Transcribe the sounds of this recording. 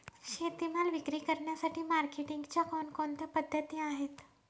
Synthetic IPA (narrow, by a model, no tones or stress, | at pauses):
ɕet̪imalʋikɾiːkəɾɳjasaʈʰiːmaɾkeʈiŋɡt͡ɕjakɔnkont̪apəd̪ʱːət̪iaɦet̪